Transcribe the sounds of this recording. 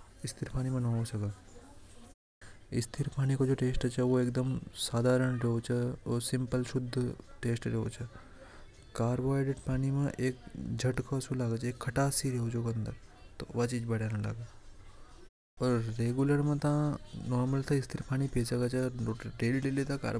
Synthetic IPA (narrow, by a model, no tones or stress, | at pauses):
ɪst̪ʰiɾpaːñimẽnõːosɐka | ɪ̰st̪ʰɪɾpaːnikod͡ʒoːʈeːsʈt͡ʃʰɐʋoeːk̚d̪əmsaːd̪ʱaːɾəɳ̃ɾeɦot͡ʃʰɐosɪmpəlʃʊd̪ʱːʈeːsʈɾeɦot͡ʃʰɐ | kaːɾʋaːjɖeɖpaːnimẽʔeːkd͡ʒʱɐʈkʰoɐsulaːɡət͡ʃʰeːkʰːɐʈaːsiɾeɦot͡ʃʰokɐnd̪əɾt̪o̰ʋat͡ʃiːd͡ʒbɐɽanãla̰ːɡa | ɔːɾːeːɡuləɾmɐ̃t̪ãnɔːɾməlt̪ʰaɪst̪ʰiɾpaːñipesɐkat͡ʃʰɐoɖeːlʈelet̪aka̰ːɾ